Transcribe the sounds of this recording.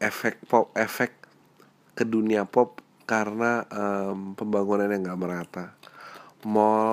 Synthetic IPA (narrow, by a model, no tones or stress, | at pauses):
efɛk̚pɔp̚efɛk | kəduniapɔp̚ | kaɾənaəmpəmbaŋunanjaŋɡaʔməɾat̪a | mo